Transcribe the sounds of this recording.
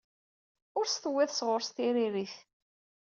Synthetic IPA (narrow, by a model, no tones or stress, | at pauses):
ʊɾst̪əwːæθsʁʊɾst̪iɾiɾiθ